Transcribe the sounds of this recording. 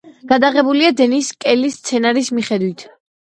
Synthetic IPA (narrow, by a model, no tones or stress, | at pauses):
ɡ̥ad̪aʁɛbuliad̪ɛniskʼɛlist̪sʰɛnaɾismiχɛd̪wit̪ʰ